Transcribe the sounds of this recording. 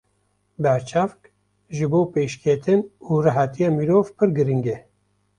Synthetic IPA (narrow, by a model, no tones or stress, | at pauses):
bæɾt͡ʃʰafk | ʒɨboːpeːʃkʰet̪ʰɨnuːraɦat̪ʰijɑːmiɾoːvpʰɨɾɡɨɾiŋɡɛ